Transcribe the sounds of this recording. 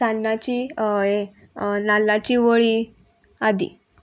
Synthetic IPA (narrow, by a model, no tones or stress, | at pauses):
anːat͡ɕije | nalːat͡ɕiʋəɭi | ad̪ḭ